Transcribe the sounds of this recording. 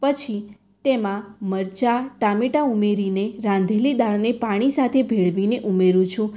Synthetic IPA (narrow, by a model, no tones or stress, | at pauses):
pət͡ʃʰi | t̪emãməɾt͡ʃaʈameʈaumeɾineɾãnd̪ʱelid̪aɭnepaɽ̃isat̪ʰebʱeɭʋineʔumeɾũt͡ʃʰũ